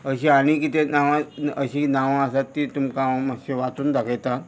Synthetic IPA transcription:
əɕiaɽ̃ikit̪enaʋãəɕinaʋãəsat̪ːiːt̪umkaməɕeʋat̪uːnd̪akʰajt̪ã

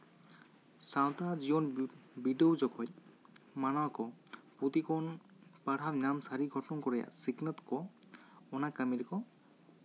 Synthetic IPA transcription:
sawt̪aziɔnbidowzɔkʰɔjmanɔakɔput̪ikɔn | paɽʱabnamsaɾiɡʱɔtɔɔnkɔɹɛja̰siknət̪kɔ | ɔnakamiɾkɔ

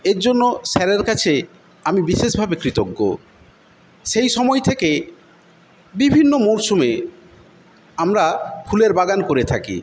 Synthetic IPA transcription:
eɾd͡ʑonːoʃɛɾeɾkat͡ɕʰe | amibiʃeʃbʱabekɾit̪oɡːo̰ | ʃejʃɔmɔet̪ʰeke | bibʱinːomoɾʃome | amɾafʰuleɾbaɡankoɾet̪ʰakḭ

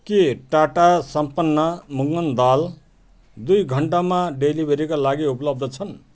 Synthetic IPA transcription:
keʈaʈasʌmpʌnːʌmuŋɡʌnd̪al | d̪ujɡʱʌɳʈamaɖelibʱeɾikalaɡiupʌlʌb̚d̪ʱʌt͡sʰʌn

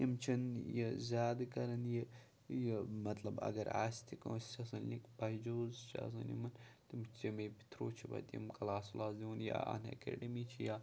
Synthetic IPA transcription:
jimt͡ʃʰɐnjezʲaːd̪kɐɾɐnje | jemɐt̪lɐbɐ̰ɡɐɾa̰ːst̪ʰikõːsɐsɐnlikbɐɦid͡ʒoːzʃa̰ːsɐ̰nḭmɐnt̪imimebi̥t̪ʰɾoːt͡ʃʰibɐ̰t̪ʲḭmkɐlaːsulaːzd̪iʋunja̰a̰nɐ̰kḛːɖɐmiːt͡ʃʰijaː

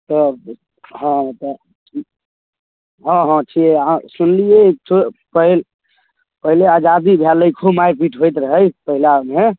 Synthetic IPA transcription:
t̪ɔ | ɦɔ̃t̪ɔ | ɦɔ̃ɦɔ̃t͡ʃʰieasunliek̚tʰupəɦil | pəɦilead͡ʒad̪ibʱjaləjkʰumajɾpiʈʰɦojt̪ɾəɦəjpəɦilame

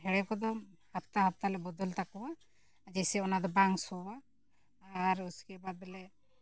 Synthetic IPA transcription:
ɦɛɽɛkɔd̪ɔhat̪aɦat̪alɛbɔd̪ɔlt̪akɔwa | d͡ʒesɛɔnad̪ɔbaŋsɔwaː | ɾuskɛbabɛlɛ

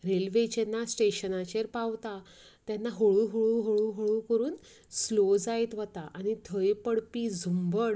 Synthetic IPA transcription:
ɾelʋet͡ɕenːasʈeɕənat͡ɕeɾpawt̪a | t̪janːaɦoɭuːɦoɭuːɦoɭuːɦoɭuːkəɾuːn | slod͡zajt̪ʋət̪aʔaɽ̃it̪ʰəjpəɽpiːd͡zʱumbəɽ

